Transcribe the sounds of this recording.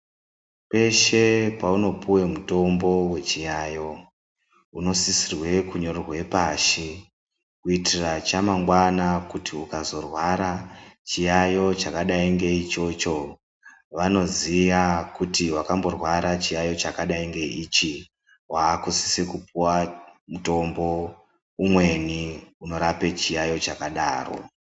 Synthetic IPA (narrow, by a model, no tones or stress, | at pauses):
pe̞ʃe̞pauno̞puwe̞muto̞mbowe̞t͡ʃijajo̞ | uno̞sisirwe̞kuɲo̞rorwe̞paʃi | kuitirat͡ʃamaŋɡwanakutiukazo̞rwaɾat͡ʃijajo̞t͡ʃakaɗaiŋɡe̞it͡ʃo̞t͡ʃo̞ | ʋano̞zijakutiwakambo̞rwaɾat͡ʃijajo̞t͡ʃakaɗaiŋɡe̞it͡ʃi | waːkusi̥sekup̚uwamuto̞mbo̞ | umwe̞niuno̞ɾape̞t͡ʃijajo̞t͡ʃakaɗaːro̞̰